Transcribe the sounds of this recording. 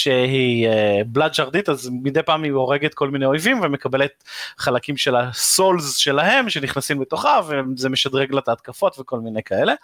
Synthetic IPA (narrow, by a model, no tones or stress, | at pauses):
ʃehiebladʃaʁd̪it̪azmid̪ejpaːmioʁeɡet̪̚ko̞lmineojvimvemekabelet̪̚χalakimʃelaso̞lzʃe̞laɦe̞mʃe̞niχnasimbet̪o̞χavezeme̞ʃad̪ʁeɡlat̪aːt̪̚kafo̞t̪veko̞lminejkaele̞